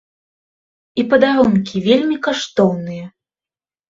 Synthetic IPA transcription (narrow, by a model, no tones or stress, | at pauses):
ipɐd̪aɾɔnkʲivʲelʲmʲikaʂt̪ɔwnɨjɐ